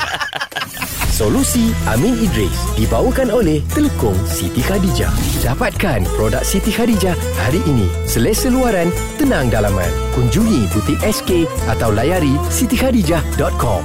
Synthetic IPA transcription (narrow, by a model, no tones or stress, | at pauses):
solusiʔa̰mĩnidɾɛ̰sdibawəkanolɛht̪ələkʊŋsit̪ikadid͡ʒa̰hdapat̪̚kanpɾodak̚sit̪ihadid͡ʒah | haɾiʔːnḭ̃səlɛsəluaɾan | t̪ənãŋdalamã̰nkuɲd͡ʒuŋĩt̪ut̪ip̚ɛskeʔat̪awlajaɾisit̪ihadid͡ʒahdɔt̪̚kɔ̰m